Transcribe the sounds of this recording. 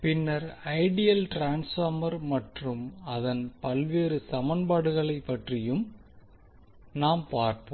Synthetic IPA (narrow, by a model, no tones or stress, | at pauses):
pɪnːɐɾɐɪɽɪjɐlʈɾaːnsfoːmɐɾmɐʈrɯmɐðɐnpɐlʋeːɾɯsɐmɐnbaːɽɯɣɐɭɐɪpːɐʈrɪjɯm | naːmpaːɾpo